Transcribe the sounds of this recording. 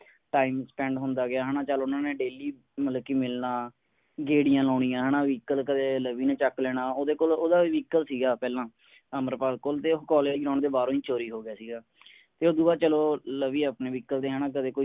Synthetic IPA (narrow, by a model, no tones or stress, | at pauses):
ʈaːɪmspɛ̃ːɳɖɦʊnd̪aːɡɪaːɦɛːnãːt͡ʃəloʊnãːneːɖeːliː | məlkːiːmɪlnaː | ɡeːɽɪjãːlɔːɳĩjãːɦɛːnãːʋiːkəlkəd̪eːləʋiːnẽːt͡ʃəkːlɛːɽ̃aːoːd̪eːkoːloːd̪aːʋiːkəlsiːɡaːpɛːlãː | əməɾpaːlkoːlt̪eːɦkɔːleːd͡ʒɡɾãːɳd̪eːbaːɾõːiːt͡ʃoːɾiːɦoːɡɪjaːsiːɡaː | t̪eːoːd̪uːbaːt͡ʃəloːləʋiːəːpneːʋiːkːəld̪eːɦɛːnãːk̬əd̪eːkoi